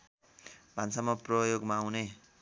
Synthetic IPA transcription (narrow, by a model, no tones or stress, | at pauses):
bʱansamʌprʌjoɡmaːwne